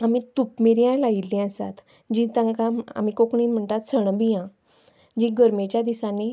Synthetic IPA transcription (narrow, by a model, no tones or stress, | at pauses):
amit̪upmiɾjãlailːĩəsa̰t̪ | d͡ʑĩt̪ãŋkãa̰mikokɳiːnm̤əɳt̪at̪səɳbijã | d͡ʑĩɡəɾmet͡ɕjad̪isãne